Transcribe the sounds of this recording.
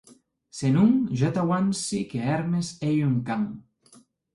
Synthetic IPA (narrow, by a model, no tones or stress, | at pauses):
senuŋʒot̪awansikeɛɾmesejuŋkaŋ